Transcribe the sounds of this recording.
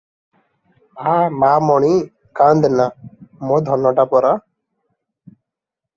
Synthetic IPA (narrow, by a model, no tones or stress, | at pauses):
amaːmɔɳi | kand̪namod̪ʱɔnːɔʈapɔɾa